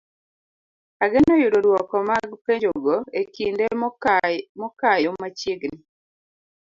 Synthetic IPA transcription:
aɡɪnojuɾoɾwɔkɔmaɡpeɲd͡ʒoɡoekinde | mɔkajomat͡ʃiɡni

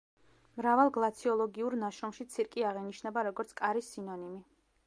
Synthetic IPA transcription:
mɾavalˠɡlˠat̪sʰiɔlˠɔɡiuɾnaʃɾɔmʃit̪sʰiɾkʼiaʁɛniʃnɛbaɾɔɡɔɾt̪sʰkʼaɾisinɔnimi

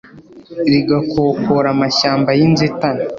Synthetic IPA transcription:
ɾiɡakokoɾamaʃaːmbajinzeta

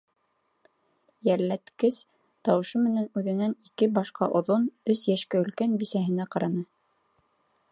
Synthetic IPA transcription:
jæɾlæt̪kɘs | t̪ɑwɤ̆ʃɤmɘ̆nænʉðɘ̆nænikɘbɑʃqɑʔŏðonɵsjæʃkæɵ̆lkænbisæɦɘ̆næqɑɾɑnɤ

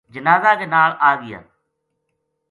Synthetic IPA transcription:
d͡ʒənaːzaːkeːnaːɭaːɡɪja̰ː

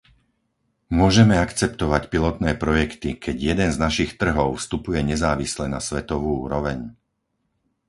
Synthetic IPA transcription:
mʊɔʒɛmɛakt͡sɛp̚t̪ɔʋacpilɔt̪nɛːpɾɔjɛkt̪ikʰɛɟjɛd̪ɛnznaʃixt̪r̩ɦɔʊfst̪upujɛɲɛzaːʋislɛna̰sʋɛt̪ɔʋuːuːɾɔʋɛɲ

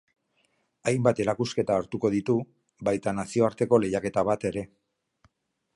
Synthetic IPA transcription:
ajmbat̪e̞ɾakuske̞t̪aːɾt̪uko̞ð̞it̪u | βajt̪anasio̞aɾt̪e̞ko̞le̞jake̞t̪aβ̞at̪e̞ɾe̞

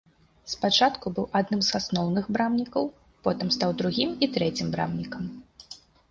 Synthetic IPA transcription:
spat͡ʂat̪kubɨwʔad̪nɨmzasnɔwnɨxbɾamnʲikɐw | pɔt̪ɨmst̪awd̪ɾuɣʲimit̪ɾɛt͡sʲimbɾa̰mnʲikɐm

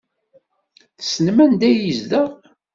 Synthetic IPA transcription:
θsənmænd̪æjizd̪æ

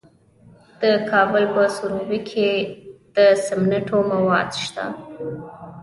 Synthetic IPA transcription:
d̪̥əkʰɑbəlpəsuɾuwikʰed̪̥əsɪmnaʈomawɑ̰d̪ʃt̪a̰

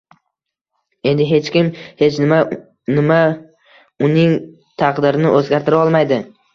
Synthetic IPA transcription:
e̞nd̪ɪɦe̞t͡ʃkʲɪmhe̞t͡ʃna | nɪma | ʊnɪŋ | t̪ʰɑqd̪ɪɾɪnɪʔɵzɡʲaɾt̪ɪɾaɒlˠmajd̪ɪ

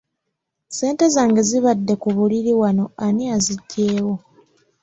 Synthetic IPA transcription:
se̞ːnte̞zaːŋɡaziβadːe̞kuβuliɾiwano̞aniaziɟːe̞ːwo̞

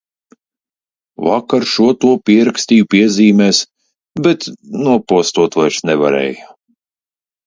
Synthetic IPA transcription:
vakaɾʃuɔt̪uɔpʲiɛɾaksʲt̪iːjupiɛzʲiːmɛːs | bʲɛt̪nuɔpuɔst̪uɔt̪vajsnɛva̰ɾɛ̰ːja

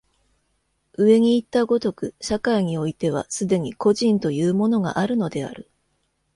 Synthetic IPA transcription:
ɯ̟e̞ɲ̟iːt̪ːaɡo̞t̪o̞kɯ̟ɕakaiɲ̟io̞it̪e̞β̞a̰sɨd̪e̞ɲ̟iko̞ʑĩnt̪o̞jɯːmo̞no̞ɡa̰ʔaɾɯ̟no̞d̪e̞a̰ɾɯ̟

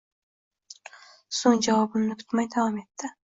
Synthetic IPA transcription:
soŋd͡ʒavɒbɪmnɪkʰʊ̥t̪majd̪avɒme̞t̪ːɪ

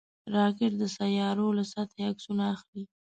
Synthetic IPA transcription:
ɾɑkɪʈ̚d̪əsajɑɾolasat̪ʰaaksunaːxli

